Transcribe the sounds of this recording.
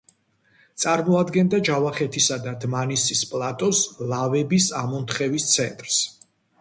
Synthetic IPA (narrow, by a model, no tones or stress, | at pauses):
t̪sʼaɾmɔad̪ɡɛnd̪ad͡ʒavaχɛt̪ʰisad̪ad̪manisispʼlˠat̪ʼɔslavɛbisamɔnt̪ʰχɛvist̪sʰɛnt̪ʼɾs